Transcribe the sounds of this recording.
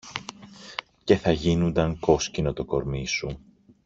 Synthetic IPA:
ce̞θɐʝinund̪ɐŋko̞scino̞t̪o̞ko̞ɾmisu

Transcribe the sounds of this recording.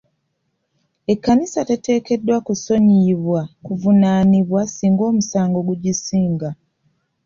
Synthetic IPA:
e̞kːanisate̞te̞ːke̞dːwakuso̞ɲiβwakuvunaːniβwasiːŋɡo̞ːmusaːŋɡo̞ɡuɟisiːŋɡa

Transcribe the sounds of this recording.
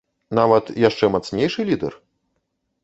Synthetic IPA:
navɐt̪jaʂt͡ʂɛmat̪snʲejʂɨlʲid̪ɛ̰r

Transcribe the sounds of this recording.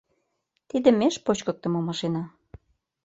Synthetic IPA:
t̪id̪ĕmeʃpot͡ɕkɤ̆k̚t̪ə̆momɑʃenɑ

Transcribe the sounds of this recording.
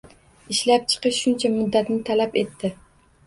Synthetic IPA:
ɪʃlap̚t͡ʃʰɨ̥qɨʃʃːʊnt͡ʃʰamʊd̪ːat̪nɪt̪ʰalape̞t̪ʰːɪ

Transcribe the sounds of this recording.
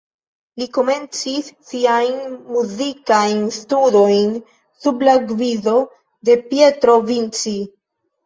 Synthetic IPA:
liko̞me̞nt͡sisːiajnmuzikajnstudo̞jn | sublaɡvizo̞ | de̞pje̞tɾo̞vint͡si

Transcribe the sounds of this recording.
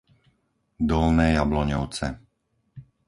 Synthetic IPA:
d̪ɔlnɛːjablɔɲɔʊt͡sɛ

